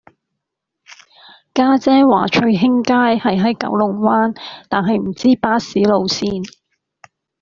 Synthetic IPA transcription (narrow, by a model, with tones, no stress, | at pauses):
kaː˥t͡sɛː˥wa̰ː˨˩t͡ʃʰɵ˧ɥɦɪ˥ŋkaː˥jhɐ˨jɦɐ˨˥jkɐ̰˨˥wlʊ˨ŋwaː˥nt̪aː˨nɦɐ˨jm̩˨˩t͡siː˥paː˥siː˨˥lo˨˧wsiː˧˥n